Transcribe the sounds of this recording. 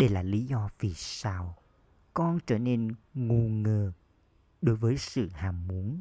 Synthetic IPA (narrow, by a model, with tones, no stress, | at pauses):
ɗe˧˩jlaː˨˩li˨˦zɔ˧vi˨˩saː˧w | kɔ˧nt͡ɕəː˧˩ne˧nŋu˨˩ŋəː˨˩ | ɗo˨˦jvəː˨˦jsɨ̰˧˨haː˨˩mmu˨˦ən